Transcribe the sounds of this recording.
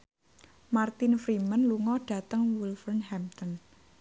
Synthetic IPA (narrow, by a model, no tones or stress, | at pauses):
mart̪infɾimənluŋɔɖ̥ä̤t̪əŋwulfərnhɛmt̪ɔn